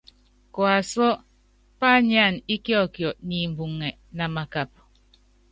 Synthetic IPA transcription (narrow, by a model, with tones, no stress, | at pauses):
kɔ˨a˨sɔ˦ | pa˦˨ɲ˦a˦˨ni˦kjɔ˦˨kjɔ˨ʔni˨m̩˨bu˨ŋːɛ˨ | na˨ma˨ka˨p̚